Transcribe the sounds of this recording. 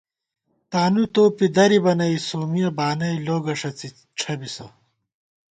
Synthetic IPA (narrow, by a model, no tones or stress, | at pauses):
t̪aːnut̪oːpid̪ɐɾibɐnɐisoːmijɐbaːnɐiloːɡɐʂɐt͡si | ʈ͡ʂʰɐbisɐ̰